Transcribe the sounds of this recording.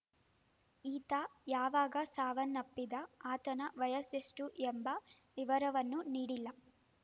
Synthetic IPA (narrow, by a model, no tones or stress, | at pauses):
iːt̪aːjaːʋaːɡaːsaːʋɐnːɐpːid̪ɐaːt̪ɐnɐʋɐjɐsesʈujɛmbɐ | ʋiʋɐɾɐʋɐnːuniːɽilːɐ